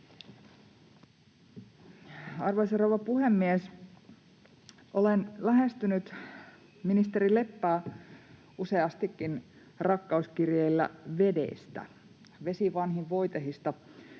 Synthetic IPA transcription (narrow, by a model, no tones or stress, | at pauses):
ɑrʋoseɾoʋɑpuhemːies | ʔolenlæɦe̞st̪ynyt̪ | minist̪eɾile̞pːæː | useɑst̪ikːin | rɑkːɑuskirjeilːæ̰ʋe̞dḛst̪æ̰ | ʋe̞siʋɑnɦiʋʋo̞jt̪ehist̪ɑ